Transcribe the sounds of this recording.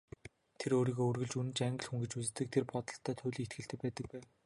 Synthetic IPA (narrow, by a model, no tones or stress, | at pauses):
t̪ʰeɾoːɾiːɣoɵrɣɵ̆ɮt͡ɕunɘ̆t͡ɕaŋɡ̆ɮxuŋɡĕt͡ɕut͡sɘ̆t̪ːɘ̆k̚t̪ʰerpɔt̪ɞ̆ɬt̪ʰːœːt̪ʰʊːɮiːet̪̚ɡɘ̆ɬt̪ʰɘ̆k̚pæːt̪ə̆k̚pæːw